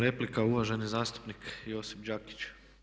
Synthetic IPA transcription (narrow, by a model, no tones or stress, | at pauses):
ɾe̞plikauʋaʒe̞nizaːst̪u̥pnikjo̞sipd͡ʑaki̥t͡ʃ